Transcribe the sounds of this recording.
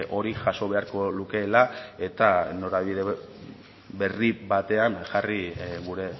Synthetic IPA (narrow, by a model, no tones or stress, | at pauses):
ʔo̞ɾiʝaso̞βe̞aɾko̞luke̞lae̞t̪ano̞ɾaβiβiðe | be̞ribat̪e̞anʝariɣuɾe̞